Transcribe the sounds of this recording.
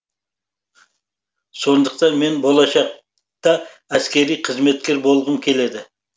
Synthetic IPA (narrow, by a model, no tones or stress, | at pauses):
so̞nd̪əq̚t̪ɑnme̞nbo̞lˠɑʃɑq̚ | t̪ɑ | æskʲe̞ɾijqʰəzme̞t̪̚kʲe̞ɾbo̞lˠʁəmkʲʰe̞le̞d̪ɪ